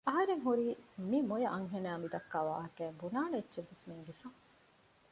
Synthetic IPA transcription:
ɐɦɐɾeŋɦuɾiːmimojɐʔɐŋɦenæːmid̪ɐkːaːʋa̰ːɦɐkæːbunaːnɐetːʃeʋːesmiːŋɡefɐ

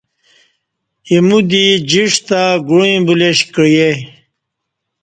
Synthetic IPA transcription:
imud̪id͡ʑiʂt̪aɡuĩbuleɕkɾje

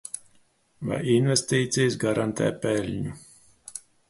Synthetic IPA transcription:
va̰jinvest̪iːt̪sʲijsɡaɾant̪ʰɛ̰ːpɛlʲɲu

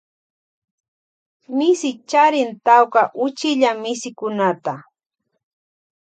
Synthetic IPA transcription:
mɪsɪt͡ʃaɾɪnt̪awkaʔʊt͡ʃɪʎamɪsɪkʊnat̪a

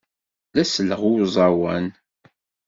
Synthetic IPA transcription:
læsələʁuzˤɑwæn

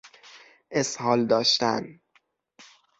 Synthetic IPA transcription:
ʔeshɒːld̪ɒːʃt̪æ̰n

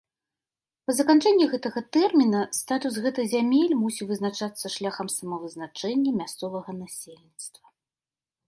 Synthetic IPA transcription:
pɐzɐkant͡ʂɛnʲːiɣɛt̪ɐɣɐt̪ɛrmʲinɐst̪at̪usɣɛt̪ɨɣzʲamʲelʲmusʲivɨznat͡ʂat̪sːɐʂlʲaxɐmsɐmɐvɨznat͡ʂɛnʲːɐmʲast̪sɔvɐɣɐnasʲelʲnʲit̪st̪vɐ

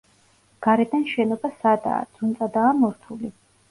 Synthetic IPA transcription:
ɡ̥aɾɛd̪anʃɛnɔbasad̪a̰ːd̪z̥unt̪sʼad̪aːmɔɾt̪ʰuli

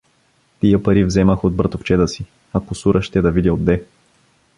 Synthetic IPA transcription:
t̪ijəpɐɾivzɛməxod̪̚bɾɐt̪oft͡ʃɛt̪əsi | ɐkʊsuɾʔəʃt̪ɛd̪ɐvid̪ʲəod̪ːɛ

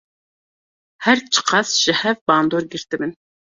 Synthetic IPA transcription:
hæɾt͡ʃʰə̥qʰɑsʒ̥ɛhɛvbɑnd̪oɾɡʲiɾt̪ɪmɪn

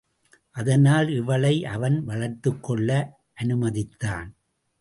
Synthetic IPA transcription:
ʔɐðɐnaːlɪʋɐɭɐɪʔɐʋɐnʋɐɭɐɾt̪ːɯkːɔɭːɐ | ʔɐnɯmɐðɪt̪ːa̰ːn

